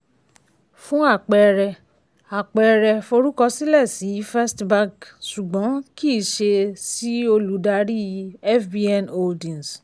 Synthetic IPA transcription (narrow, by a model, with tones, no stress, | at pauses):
fũ˦a˦˨k͡pɛ˨˧ɾɛ˧ | a˨k͡pɛ˨˧ɾɛ˧fo˧ɾu˦kɔ˧si˦lɛ˦˨si˨˦fɛ˦stba˧ɡsu˨ɡ͡bɔ̃˨˦ki˦˨ʃe˧si˦o˧lu˨˦da˧ɾi˦˧˦ɛ˦fbi˧ɛ˧no˧ldĩ˨n˨s